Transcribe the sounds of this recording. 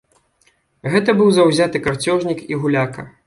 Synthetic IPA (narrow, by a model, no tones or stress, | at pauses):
ɣɛt̪ɐbɨwzɐwzʲat̪ɨkart͡sʲɔʐnʲikiɣulʲakɐ̰